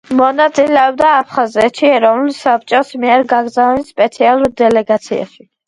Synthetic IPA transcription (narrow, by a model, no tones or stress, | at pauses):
mɔnat̪sʼilɛɔb̚d̪aːpʰχazɛt̪ʃiɛɾɔvnulˠsap̚ʰt͡ʃʼɔsmiɛɾɡaɡɾzanspʼɛt̪sʰialˠuɾd̪ɛlɛɡat̪sʰia̰ʃi